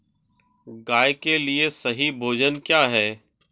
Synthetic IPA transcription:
ɡaːjkeliesɐɦibʱoːd͡ʒənkjaːɦɛː

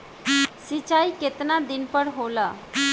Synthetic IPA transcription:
sit͡ʃaiket̪nad̪inpəɾɦolə

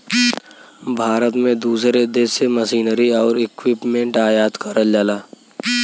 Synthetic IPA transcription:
bʱaːɾət̪mẽd̪uːsɾed̪eseməsiːnəɾiɔːɾɪkwɪpmẽːɳʈaːjaːt̪kəɾəld͡ʒaːlaː

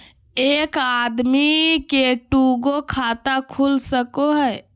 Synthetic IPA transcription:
ekad̪mikeʈuɡokʰat̪akʰulsəkoɦɛj

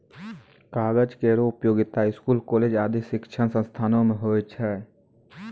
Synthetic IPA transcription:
kaːɡəd͡ʒkeːɾoʊpjoːɡɪt̪aɪskuːlkoːleːd͡ʒaːd̪iʃɪkt͡ʃʰənsə̃nst̪ʰaːnõmẽɦoːit͡ʃʰɛː

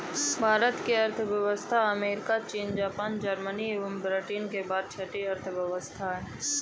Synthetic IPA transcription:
bʱaːɾət̪kiɐɾt̪ʰʋjəʋəst̪ʰaɐmeːɾɪkat͡ʃiːnd͡ʒaːpaːnd͡ʒəɾmənieːʋəmbɾeʈiːnkebaːd̪̚t͡ʃʰɐʈiɐɾt̪ʰʋjɐʋəst̪ʰaɦɛ

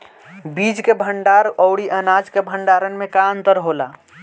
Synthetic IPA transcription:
bid͡ʒkebʱəɳɖaɾɔʊɽiʔənad͡ʒkebʱəɳɖaɾənmẽkaənt̪əɾɦola̰

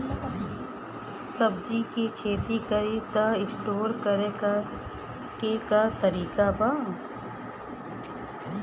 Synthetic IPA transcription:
sɐbd͡ʒikekʰeːt̪ikəɾit̪aɪsʈoːɾkəɾek | kekat̪ɐɾiːkaba

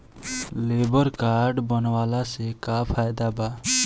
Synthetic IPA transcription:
lebɔɾkaɾɖbɔnwalasekapʰajd̪aba

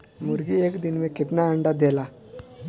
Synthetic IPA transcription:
muɾɡiekd̪inmekit̪naəɳɖad̪ela

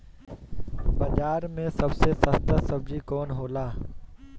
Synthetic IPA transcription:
bɐd͡ʒaːɾmẽsɐbsesəst̪əsɐb̚d͡ʒikɔːnɦoːlaː

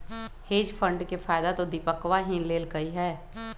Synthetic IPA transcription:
heːd͡ʒfʰə̃ɳɖkefʰaːjd̪at̪od̪ipəkʋaɦĩːnleːlɡɐiɦɛː

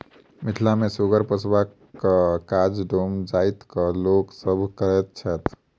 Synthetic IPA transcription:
mit̪ʰlamesuɡəɾpəsʰba | kəkad͡ʒɖomd͡ʒajt̪kəloksəbʱkəɾɛt̪̚t͡ʃʰɛt̪ʰ

